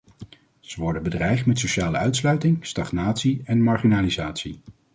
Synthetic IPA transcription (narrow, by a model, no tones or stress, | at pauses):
z̥əʋɔɹdənbədrɛjχtmɛtsoʃaːləœɥtslœɥtɪŋstɑχnaːtsiɛnmɑɹχinaːlizaːtsi